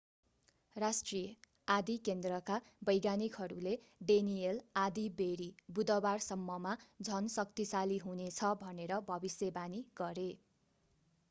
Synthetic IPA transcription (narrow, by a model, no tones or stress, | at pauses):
rasʈrijʌ | ad̪ikend̪rʌkabʌjɡanikɦʌɾule | ɖenijelad̪ibeɾibud̪ʌbarsʌmːʌmad͡zʱʌnsʌkt̪isaliɦunet͡sʰʌbʱʌneɾʌbʱʌbisjebaniɡ̥ʌɾe